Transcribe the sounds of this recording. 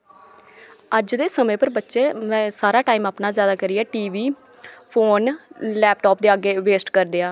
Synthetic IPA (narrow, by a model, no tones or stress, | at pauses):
əd͡ʒd̪eːsəmẽːpəɾbətːʃeːmɛ̃ːsaːɾaːʈaːiːmaːpnaːzjaːd̪aːkəɾɪjaːʈiːʋiː | pʰoːnlɛːp̚ʈɔːp̚d̪eːaːɡeːʋeːsʈkəɾd̪eːãː